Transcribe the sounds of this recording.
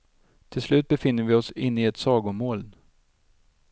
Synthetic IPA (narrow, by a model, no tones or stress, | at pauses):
t̪ʰɪlslʉ̟ːt̪̚bɛfɪnːəɾvɪɔsɪnːɪɛt̪sɑːɡʊmoːl